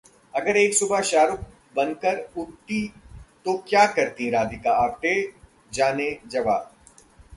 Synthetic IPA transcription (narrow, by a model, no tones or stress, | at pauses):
ɐɡəɾeːksʊbʱaʃaːɾʊk̚ | bɐnkəɾʊʈt̪it̪okjaːkɐɾt̪ĩɾaːd̪ɪkaaːt̪e | d͡ʒaːned͡ʒɐʋaː